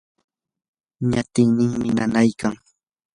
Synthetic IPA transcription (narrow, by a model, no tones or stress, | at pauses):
ɲat̪ɪŋnɪŋmɪnanajkaŋ